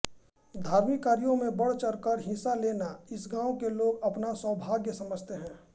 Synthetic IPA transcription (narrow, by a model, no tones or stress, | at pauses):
d̪ʱaːɾmɪkaːɾijõmẽbɐɽ̤t͡ʃəɾkəɾɦɪ̃saleːnaɪsɡãːwokeloːɡɐpnaswəbʱaːɡjəsɐməd͡ʒʱt̪eɦɛ̃ː